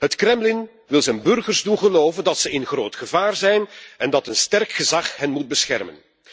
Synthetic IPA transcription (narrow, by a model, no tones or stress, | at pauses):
ɦətkrɛmlɪn | ʋɪlˠzɛnbɵrɣərzdunɣəloːvəndɑtsəɪnɣroːtxəvaːrzɛjnɛndɑtənstɛrkxəzɑχɦənmud̚bəsxɛ̰rmə̰n